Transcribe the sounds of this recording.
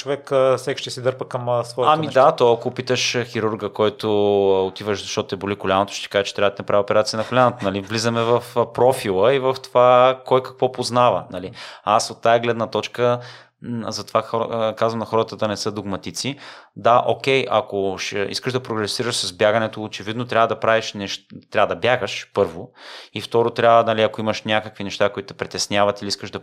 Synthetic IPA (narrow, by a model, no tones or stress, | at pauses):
t͡ʃovɛksɛkʃt̪ɛsid̪əɾpəkɐmsvɔjamid̪at̪ɔjɐkopit̪əʃxiɾuɾɡəkɔjt̪oot̪ivəʃzɐʃt̪ɔt̪ʊɛbolikolʲanot̪o̥ʃt̪ɛ̥kaʒət͡ʃɛ̥t̪ɾavət̪ɛnɐpɾavʲiopɛɾat̪sijənɐkolʲanot̪onɐlivlizəmɛvɐfpɾɔfilˠəivɐft̪ovakɔjkɐ̥kvɔpoznavə̰nɐliasot̪ːaɛɡlɛd̪nət̪ɔt͡ʃkə | zɐt̪ovaxkazvɐmnɐxɔɾət̪əd̪ɐnɛsɤd̪oɡmɐt̪it̪sid̪aʔokʲɛjʔɐ̰koʃḭskəʒd̪ɐpɾoɡɾɛsiɾəʃsɐzbjaɡɐnɛt̪oːt͡ʃɛvid̪not̪ɾʲavəd̪ɐpɾaviʃnɛʃt̪ɾʲavəd̪ɐbjaɡəʃpɤɾvoift̪ɔɾot̪ɾʲavənɐliɐkoimɐʃnʲakəkvinɛʃt̪akoit̪ʊt̪ɛpɾit̪ɛsnʲavɐt̪iliiskəʒd̪ɐ